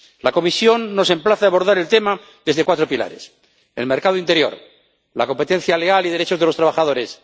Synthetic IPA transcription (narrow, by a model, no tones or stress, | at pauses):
lako̞misjo̞nːo̞se̞mplaθaaβo̞ɾðaɾe̞lt̪e̞ma | ðe̞zðe̞kwat̪ɾopila̰ɾe̞̰s | ḛlme̞ɾkað̞oint̪ejo̞̰ɾ | lako̞mpe̞t̪ẽ̞n̟θjaleɣalið̞e̞ɾet͡ʃo̞zðelo̞st̪ɾaβaxaðo̞ɾe̞s